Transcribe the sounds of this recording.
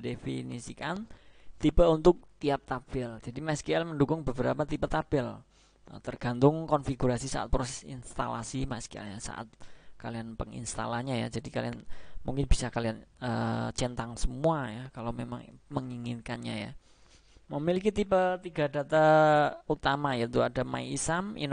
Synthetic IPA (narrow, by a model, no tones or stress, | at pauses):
defḭnḭsikant̪ipəunt̪ʊk̚t̪iap̚t̪apɪld͡ʒadimaɛskiɛlməndukʊŋbəbəɾapat̪ipət̪apɪl | ə̰t̪ərɡ̥a̤nt̪ʊŋkɔnfiɡuɾasisa̰ʔa̰t̪̚pɾosɛsḭnst̪a̰la̰simaɛskiɛ̰lɲasa̰ʔa̰t̪̚kalianpəŋḭnst̪a̰laɲaja̰d͡ʒadikalianmuŋkɪnbi̥sakalianət͡ʃɛnt̪aŋsəmuajakalamema̰ŋməŋiŋɪnkanɲa̰ja̰ | məmilikit̪ipət̪iɡadat̪aut̪amajat̪uadama̰iisamḭn